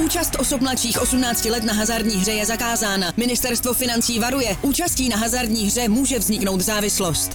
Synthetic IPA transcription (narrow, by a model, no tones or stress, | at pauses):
ʔuːt͡ʃast̪ʔo̞sopmlat͡ʃiːxʔo̞sumnaːt͡scɪlɛt̪naɦazaɾdɲiːɦr̝ɛjɛzakaːzaːnamɪnɪst̪ɛɾst̪vo̞fɪnant͡siːvaɾujɛʔuːt͡ʃasciːnaɦazaɾdɲiːɦr̝ɛmuːʒɛvzɲɪkno̞wt̪zaːvɪslo̞st̪